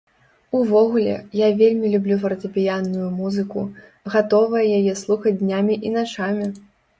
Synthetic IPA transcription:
uvɔɣulʲɛ̰javʲelʲmʲilʲublʲuvɐɾt̪ɐpʲijanːujumuzɨku | ɣat̪ɔvɐjɛjajɛslˠuxɐd͡zʲd̪nʲamʲiʔinat͡ʂamʲi

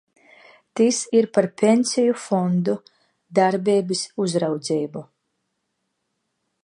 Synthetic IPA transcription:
t̪isiɾpaɾpʲenʲsʲijufɔnd̪u | d̪aɾbʲeːbisuzɾawd̪zʲɛjbu

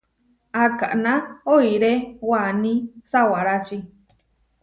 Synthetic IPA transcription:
aka̰ʔnãoiɾewanĩsawaɾat͡ʃi

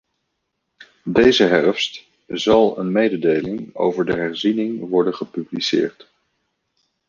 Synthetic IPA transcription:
dejzəɦɛrfst | zɑlˠə̰nmejdədejlɪŋo̰wvəɹdəɦɛɹzinɪŋʋɔɹdənχəpyblisɪ̰ːɹt

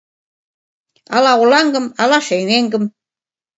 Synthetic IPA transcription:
ɑ̰lɑulɑŋɡɤ̆mɑlɑʃejneŋɡə̆m

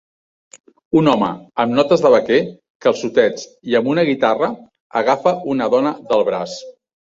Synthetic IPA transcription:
unɔmə̰əmnɔt̪əzðəβəkɛ | kəlˠsut̪ɛt͡s | iəmbunəɣit̪arə | əɣafəunəðɔnəðəlˠβɾas

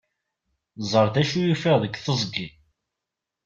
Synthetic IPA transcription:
zˤəɾˤθæʃujufiʁðəkːθəzˤɡi

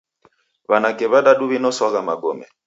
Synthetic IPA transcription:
βanakɛβaɗaɗuβinɔswaɣamaɡɔmɛ̰

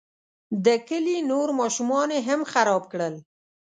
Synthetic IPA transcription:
d̪əkəlinoɾmɑʃumɑneɦamxaɾɑb̚kɽəl

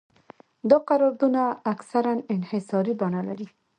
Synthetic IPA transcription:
d̪əqaɾɑɾd̪unaːksaɾanɪnhɪsɑɾibanalaɾi

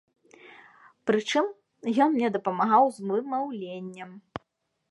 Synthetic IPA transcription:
pɾɨt͡ʂɨm | jɔnmnʲɛd̪ɐpɐmaɣawzmɨmawlʲenʲːɐm

